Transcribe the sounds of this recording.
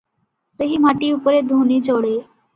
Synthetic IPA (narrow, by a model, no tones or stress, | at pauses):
səɦimaʈiupɾed̪ʱunid͡zoɽe